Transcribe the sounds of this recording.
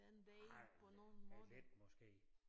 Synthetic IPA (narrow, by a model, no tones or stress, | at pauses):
enʋɛɪpʰɒ̽no̝ːn̩mːled̥mɒsɡ̥e̝̰ː